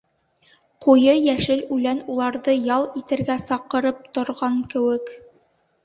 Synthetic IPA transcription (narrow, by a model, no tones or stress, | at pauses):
qujɤjæʃɘlʉlænulˠɑɾðɤjɑlˠit̪ɘ̆ɾɡæsɑqɤ̆ɾɤp̚t̪ŏɾʁɑŋkɘ̆wɘk